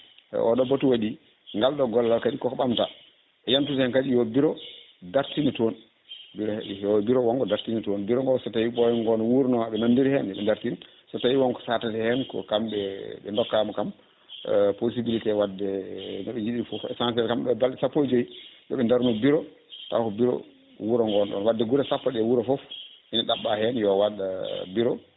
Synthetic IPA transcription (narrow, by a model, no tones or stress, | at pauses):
ɛ̰ʔɔ̰ɗɔbotuwaɗi | ŋɡalɗɔɡɔlːalkaɗikɔkɓamta | ɛjantutɛhɛnkad͡ʒijɔbiɾɔ | daɾtiniton | biɾɔhɛɔbiɾɔwɔŋɡɔdaɾtinitonbiɾɔŋɡɔsɔtawiɓɔjɔŋɡɔnɔwuɾnɔaɓɛnandiɾhɛnɛɓɛ̰ndaɾtin | sɔtawiwɔnkɔ̥satatɛhɛnkɔ̰kamɓɛɓɛndɔkːamɔkam̰ | pos̬ibilitɛwadːɛnɔɓɛjiɗiifɔfɛ̰sansɛlkamɗɛbalɗɛsapːod͡ʒojijɔ̰ɓɛndaɾnɔbiɾɔ | ta̰kɔbiɾɔ̰ | wuɾɔŋɡɔnɗɔ̰nwadːɛɡuɾɛsapːaɗɛwuɾɔfɔfʔinaɗaɓːahɛnjɔwaɗabiɾɔ